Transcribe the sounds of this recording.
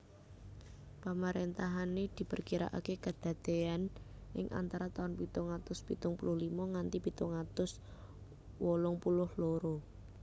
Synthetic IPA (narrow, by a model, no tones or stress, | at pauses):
pamaɾent̪aɦaned̪̥i̤pərkiɾa̰ʔa̰kekəd̪̥a̤d̪̥eanʔɪ̰ŋʔa̰nt̪aɾat̪aʊnpit̪ʊŋat̪ʊspit̪ʊŋpulʊhlimɔŋant̪ipit̪ʊŋat̪ʊs | wɔlʊŋpulʊhloɾo